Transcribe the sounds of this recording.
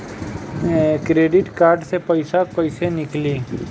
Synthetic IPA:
kɾeːɖɪʈkaːɾɖsepɐɪsakɐɪsenɪkliː

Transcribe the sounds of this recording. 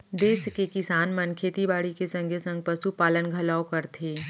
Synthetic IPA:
d̪eːskekɪsaːnmɐnkʰeːt̪ibaːɽikesɐ̃ŋɡʱesɐ̃ŋɡ̚pɐsupaːlənɡʱɐlaːokɐɾt̪ʰiː

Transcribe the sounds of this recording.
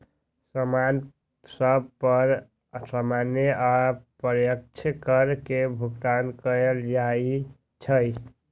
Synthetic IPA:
səman | səbpəɾ | samaneʔapəɾjək̚t͡ʃʰkəɾkebʱuɡt̪ankəjəld͡ʒai | t͡ʃʰəj

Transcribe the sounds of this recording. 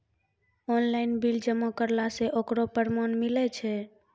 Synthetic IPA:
onlainbild͡ʒəmːokəɾlaseʔokɾopəɾmonmilɛt͡ʃʰɛ

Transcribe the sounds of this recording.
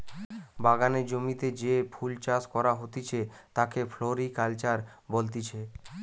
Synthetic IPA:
baɡaned͡ʑomit̪ed͡ʑepʰult͡ɕaskɔɾaɦot̪it͡ɕʰet̪akefʰloɾikalt͡ɕaɾbolt̪it͡ɕʰe

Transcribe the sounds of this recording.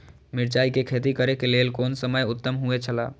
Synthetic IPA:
miɾt͡ʃaikekʰet̪ikəɾekelelkonsəməjʊt̪ːəmɦuet͡ʃʰəla

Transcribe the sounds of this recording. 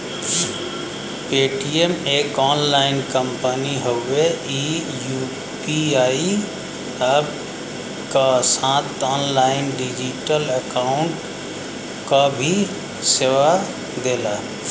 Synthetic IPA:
peːʈiemekɔːnlaɪnkəmpəniɦowei | juː | piaːi | əb | kasãt̪ɔːnlaːɪnɖid͡ʒiʈələkaːʊɳʈ | kabʱi | seːʋa | d̪eːla

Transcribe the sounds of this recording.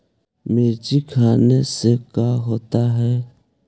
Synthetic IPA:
meːd͡ʒikʰaːnesekaːɦoːt̪aɦɛː

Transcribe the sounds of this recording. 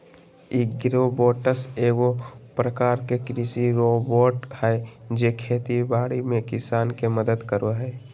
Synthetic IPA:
iɡɾoboːʈəseːɡopɾəkaːɾkekɾisiɾoːboːʈhɛd͡ʒeːkʰeːt̪ibaːɽimẽkɪsaːnkeməd̪əd̪kəɾoɦɛː

